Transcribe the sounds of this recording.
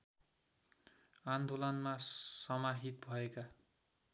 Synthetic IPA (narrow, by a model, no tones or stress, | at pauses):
and̪olʌnmasʌmaɦit̪̚bʱʌeka